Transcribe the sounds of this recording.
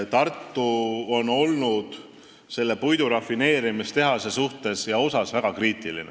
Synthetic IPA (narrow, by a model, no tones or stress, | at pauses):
t̪ɑrt̪ːˑuo̞no̞lnud̪̥ | se̞lːepujd̪̥uɾɑfːine̞ːɾimist̪e̞ɦɑse̞suht̪e̞sjɑo̞sɑsvæɡ̥ɑkriːt̪ˑilḭne